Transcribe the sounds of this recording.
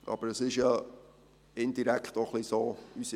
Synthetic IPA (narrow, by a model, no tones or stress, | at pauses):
ʔɑ̰b̥əɾəsɪʃjɑ | ɪnd̥̪iɾæktoχlisoːysi